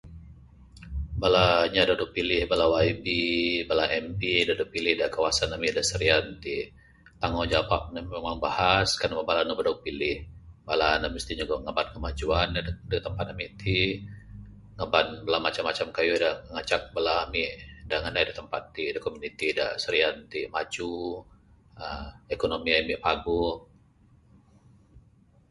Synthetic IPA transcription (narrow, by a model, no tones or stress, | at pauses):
balaɲadaduʔ̚pilɪhbalawaibibalaʔɛmpidaduʔ̚pilɪhdakawasanamidasəɾiant̪i | t̪aŋod͡ʒapaʔ̚nammɛmaŋbahaskarnamabalanabədak̚pilɪhbalanaməst̪iɲaɡaŋaban̚kəmad͡ʒuandət̪əmpat̪̚amiʔt̪ʰi | ŋəbanbəlamat͡ʃamːat͡ʃamkajudaŋat͡ʃak̚bəlamiʔdaŋanadət̪əmpa̰t̪ːidakomunit̪ida̰səɾiant̪imat͡ʃu | əekonomiamiʔpaɡu